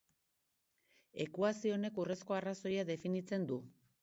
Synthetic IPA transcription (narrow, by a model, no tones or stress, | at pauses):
e̞kuasio̞ne̞kure̞sko̞araso̞jaðe̞finit͡se̞nd̪u